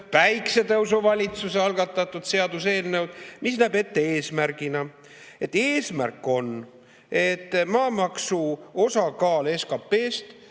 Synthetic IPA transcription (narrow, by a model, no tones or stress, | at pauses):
pæjkse̞t̪ɤwus̬ovɑlʲit̪suseɑlɡ̥ɑt̪ːˑɑt̪ːˑud̪̥se̞ɑd̪use̞ːlnewd̪̥misnæːbe̞t̪ːe̞e̞ːsmærɡ̥inɑ | e̞t̪ːˑe̞ːsmærkːˑo̞n | e̞t̪ːmɑːmɑksuo̞sɑkɑːle̞skɑpːe̞ːst̪